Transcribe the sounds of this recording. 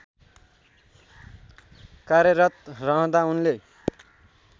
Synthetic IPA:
kaɾjʌɾʌt̪rʌɦʌ̃d̪aunle

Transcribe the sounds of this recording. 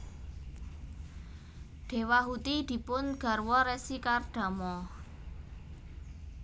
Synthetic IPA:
d̪̥e̤waɦut̪id̪̥i̤pʊnɡ̥ä̤rwɔɾɛsikarɖ̪̥a̤mɔ

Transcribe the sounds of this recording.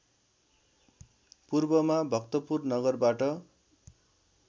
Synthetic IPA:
purbʌmabʱʌkt̪ʌpurnʌɡʌrbaʈʌ

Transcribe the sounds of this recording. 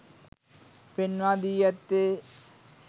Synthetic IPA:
penʋaːd̪ijɐt̪ːe

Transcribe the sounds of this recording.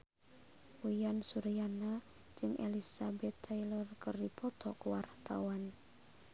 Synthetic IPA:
ujansuɾijana | d͡ʒɨŋʔelisabɛt̪ːailɔrkərdipɔt̪ɔkwart̪a̰wan

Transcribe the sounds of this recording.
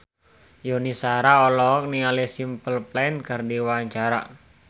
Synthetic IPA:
jonisaɾaɔlɔːk̚niŋalesimpəlplɛnkərdiwaɲt͡ʃaɾa̰

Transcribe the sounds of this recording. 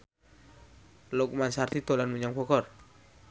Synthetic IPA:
lɔk̚mansart̪it̪ɔlanmuɲaŋpɔkɔr

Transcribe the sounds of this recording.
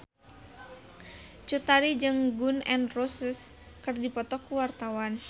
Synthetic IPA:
t͡ʃut̪aɾid͡ʒɨŋɡunɛ̰ndrosəs | kɨrdipɔt̪ɔkuwart̪awan

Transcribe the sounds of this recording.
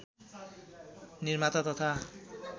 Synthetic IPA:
niɾmat̪at̪ɔt̪ʰa

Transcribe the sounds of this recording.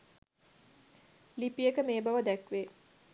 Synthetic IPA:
lipijəkəmeːbɐʋəd̪ækʋeː

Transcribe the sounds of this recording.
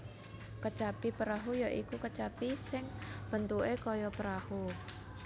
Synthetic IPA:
kət͡ʃapipəɾaɦujaʔikukət͡ʃapisɪŋb̥ə̤nt̪uʔekɔjɔpəɾahu

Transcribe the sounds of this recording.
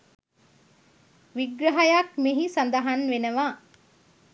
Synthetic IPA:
ʋiɡɾɐɦɐjakmeɦisɐnd̪əɦanʋenəʋa

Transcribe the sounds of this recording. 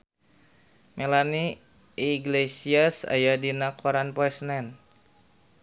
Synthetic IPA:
mʔelani | iɡlesiasa̰jadinakʰɔɾanpɛsnɛn

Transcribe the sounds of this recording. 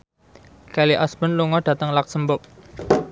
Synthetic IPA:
kaliʔasb̥ənluŋɔɖ̥ä̤t̪əŋlak̚səmbʊp̚

